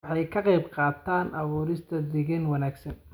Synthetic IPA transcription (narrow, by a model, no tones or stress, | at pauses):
ħɑjkʰɐqɛjbqɑːt̪ʰaːnʔɑβuːɾɪst̪ʰɐd̪ɪɣɛnwɑnaːɡsɐn